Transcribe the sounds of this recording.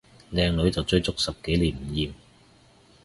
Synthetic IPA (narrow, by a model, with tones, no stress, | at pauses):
lɛː˧ŋlɵ˨˥ɥt͡sɐ˨wt͡sɵ˧ɥt͡sʊ˥k̚sɐ˨p̚ke˨˥jliː˨˩nm̩˨˩jiː˨m